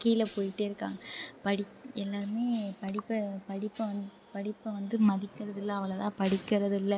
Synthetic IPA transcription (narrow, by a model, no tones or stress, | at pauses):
kiːɪlɐpoːjɪʈːeɪɾɯkːa̰ːŋɡɐpɐɽɪkːɛlːaːɾɯmeːpɐɽɪpːɐpɐɽɪpːɐʋɐnd̪ɯpɐɽɪpːɐʋɐnd̪ɯmɐðɪkːɪɾɐðɪlːɐːʋɐɭɐt̪ãːpɐɽɪkːɪɾɐðɪlːɐ